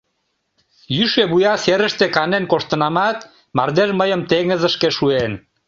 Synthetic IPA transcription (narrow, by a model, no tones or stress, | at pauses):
jyʃeβujɑseɾə̆ʃt̪ekɑnenkoʃt̪ə̆nɑmɑt̪ | mɑrd̪eʒməjəmt̪eŋə̆zə̆ʃkeʃuen